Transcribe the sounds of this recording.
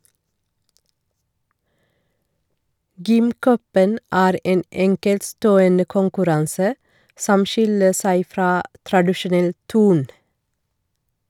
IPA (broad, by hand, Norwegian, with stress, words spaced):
ˈɡʏmˌkœpən ˈæːɾ ˈeːn ˈɛŋkɛltˌstoːənə kʊŋkʉˈɾɑnsə ˈsɔm ˈʃɪlə ˈsæɪ ˈfɾɑː tɾɑdɪʃʊˈnɛl ˈtʉːɳ